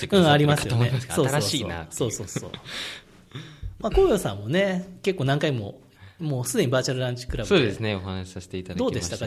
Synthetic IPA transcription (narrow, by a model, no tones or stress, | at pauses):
ɯ̃ːaɾʲimasɨjonesoːasɾaːɕina̰so̞ːso̞ːso̰ː | maːko̞ːjoːsã̰mːo̞ne̞ke̞kːoːnãŋkaimo̞̰ | moːsɨd̪e̞ɲ̟ibaːt͡ɕaɾɯɾãɲ̟t͡ɕi̥kɯ̟ɾʔasoːd̪esɨneoɦanaɕi̥saɕi̥t̪e̞it̪ad̪d̪o̞ːd̪e̞st̪aka